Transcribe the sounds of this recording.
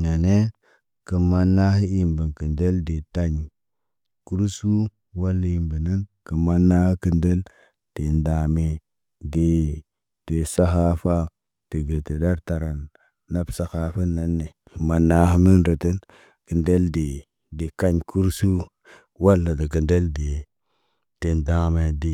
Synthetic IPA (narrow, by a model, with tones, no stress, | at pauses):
na˨ne˦ | kə˨ma˦nːa˦hi˦i˨mbə˨nkə˨nde˦lde˨ta˦ɲ˨ | ku˦ɾsu˦ | wa˦lːa˨i˨mbə˨nə˦nkə˨ma˦nːa˦hi˦kə˨nde˦l | d̥e˨nda˨me˨ | de˨ | te˨sa˦xa˦fa˦ | te˨ɡe˨te˨da˦ɾta˨ɾa˨nː | a˦bsa˦xa˨fa˦nːa˦nːe˨ | kə˨ma˨nːa˨˦hmi˦nɾo˨te˦n | ki˨nde˦lde˨ | de˨ka˦ɲkʰu˦ɾsu˦ | wa˦lːa˨da˨ki˨nde˦lde˨ | te˨nda˦me˨de˨